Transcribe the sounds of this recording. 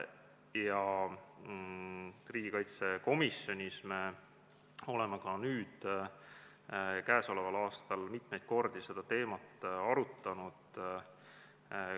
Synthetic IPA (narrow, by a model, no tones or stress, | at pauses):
jɑ | riːɡ̥ikɑjt̪se̞ko̞misjo̞nʲisme̞ | o̞le̞mekɑnyːd̪̥ | kæːso̞levɑlɑːst̪ɑlmit̪mejd̪̥̚ko̞rd̪ise̞d̪̥ɑt̪e̞ːmɑt̪ːɑɾut̪ːˑɑnud̪̥